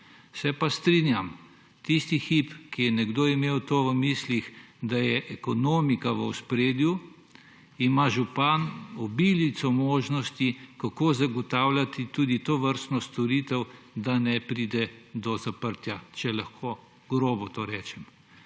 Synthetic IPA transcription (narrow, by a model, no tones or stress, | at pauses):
sɛpast̪ɾinjam | t̪ist̪ixipkijɛnɛɡd̪oːimewt̪oːʋəmislix | d̪ajɛʔɛkɔnoːmikaʋəwspɾeːd̪ju | imaʒupanɔbilit̪sɔmoːʒnɔst̪ikakozaɡɔt̪aːwlat̪it̪uːd̪it̪oːʋəɾst̪nɔst̪ɔɾit̪ɛw | d̪anɛpɾiːd̪ɛd̪ɔzapəɾt̪jat͡ʃɛlaxkʰo | ɡɾoːbɔt̪oːɾɛːt͡ʃɛm